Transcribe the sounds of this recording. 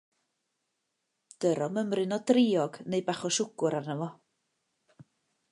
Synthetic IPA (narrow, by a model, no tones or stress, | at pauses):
d̥əɾɔməmrɨnɔdrɪɔɡnejbaχɔʃʊɡ̥ʊɾarnəvɔ